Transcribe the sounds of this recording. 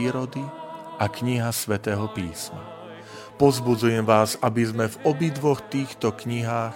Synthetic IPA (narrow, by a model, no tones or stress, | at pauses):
iːɾɔd̪i | ʔakɲiɦasʋɛt̪ɛːɦɔpiːsma̰ | pɔzbud͡zujɛmʋaːzabizmɛvɔbid̪ʋɔxt̪iːxt̪ɔkɲiɦaːx